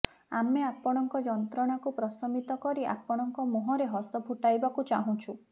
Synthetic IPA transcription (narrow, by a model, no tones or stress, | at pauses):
ameapɔɽ̃ɔŋkɔd͡ʒɔnt̪ɾɔɽ̃akupɾɔsɔmit̪ɔkɔɾiʔa̰pɔɽ̃ɔŋkɔmoɦɔɾeɦɔsɔbʱuʈajbakut͡ʃaɦũt͡ʃʰu